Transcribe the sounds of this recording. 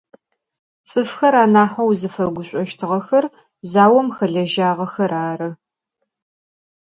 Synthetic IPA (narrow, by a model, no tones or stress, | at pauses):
t͡sʼɨfxɐɾaːnaːħɐwzɨfɐɡʷʊɕʷʼɔʃtʰɨʁɐxɐr | zaːwɐmxɐɮɐʒaːʁɐxɐɾaːɾɨ